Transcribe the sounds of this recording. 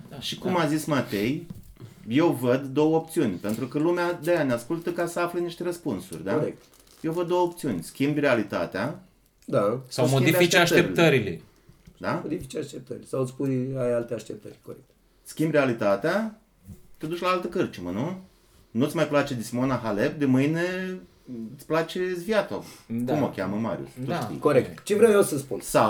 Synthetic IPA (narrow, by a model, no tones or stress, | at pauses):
ʃikumazismat̪e̞j | je̞wvəd̪ːo̞wəop̚t̪siunʲpe̞nt̪ɾukəlumead̪ejaneaskult̪əkasəafleniʃt̪e̞ɾəspunsṵrʲd̪aoɾekt̪ | jewvəd̪ːowəop̚t̪siunʲskʲimbrealit̪a̰t̪ea | d̪asawmodiibaitt͡ʃ̪eaʃt̪əeɾilet̪əɾilḛ | d̪amod̪ifit͡ʃeaʃt̪ep̚t̪əɾilesawɨt̪spujajalt̪eaʃt̪ep̚t̪ə̰ɾʲkoɾek̚t̪ | skʲimbre̞alit̪at̪ea | t̪ed̪uʃʲlaalt̪əkɨrt͡ʃimənu | nut̪sʲmajplat͡ʃed̪isimo̞naɦale̞b̚d̪emɨjne | t̪sʲplat͡ʃe̞zviat̪odkumokʲaməma̰ɾj̰ṵst̪uʃḭjkoɾekt̪t͡ʃevɾeewjewsəspunsa